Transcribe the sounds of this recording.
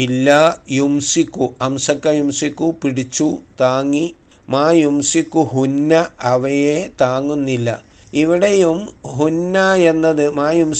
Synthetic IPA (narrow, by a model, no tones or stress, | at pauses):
ilːajumsikːuɐmsɐkːɐjumsikːupiɽit͡ɕːut̪aːŋːi | maːjumsikːuɦunːɐɐʋɐjet̪aːŋːunːilːɐ | iʋiɽejumɦunːɐe̞nːɐðɨmaːjum